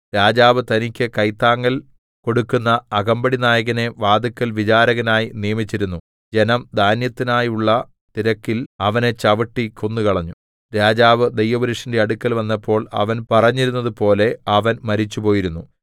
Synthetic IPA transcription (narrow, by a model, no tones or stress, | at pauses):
ɾaːd͡ʑaːʋɨt̪ɐnikʲːɨkɐjt̪ːaːŋːɐl | ko̞ɽukːunːɐːɣɐmbɐɽinaːjɐɣɐne̞ʋaːd̪ɐkːɐlʋit͡ɕaːɾɐɣɐnaːjinijɐmit͡ɕːiɾunːu | d͡ʑe̞nɐmd̪ʱaːnjɐt̪ːinaːjuɭːɐ | t̪iɾɐkːilɐʋɐne̞t͡ɕɐʋɐʈːikʰonːukɐɭɐɲːu | ɾaːd͡ʑaːʋɨd̪ejʋɐʋɐɾiʂinde̞ɐɽukːɐlʋɐnːɐpːo̞ːɭɐ̰ʋɐnpɐrɐɲːiɾunːɐðɨpo̞ːle̞ɐʋɐnmɐɾit͡ɕːupo̞ːjiɾunːu